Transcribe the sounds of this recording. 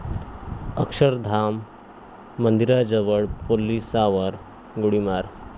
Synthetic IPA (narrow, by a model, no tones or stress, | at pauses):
əkʂəɾd̪ʱamː | ənd̪iɾad͡ʑəʋəɭpolisaʋəɾ | ɡuɽimaɾ